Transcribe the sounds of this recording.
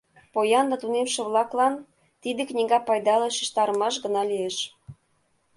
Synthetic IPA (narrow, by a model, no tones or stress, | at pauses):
pojɑnd̪ɑt̪unemʃĕβlɑklɑn | t̪id̪ĕknʲiɣɑpɑjd̪ɑlɤʃi̥ʃt̪ɑɾəmɑʃ̬ɡə̆nɑlieʃ